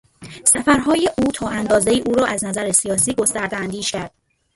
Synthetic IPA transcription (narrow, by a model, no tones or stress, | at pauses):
sæfæɾɦɒːjeʔuːt̪ʰɒːʔænd̪ɒːze̞iːʔuːɾɒːʔæznæzæɾesijɒːsiːɡo̞st̪æɾd̪eænd̪iːʃcæɾd̪̥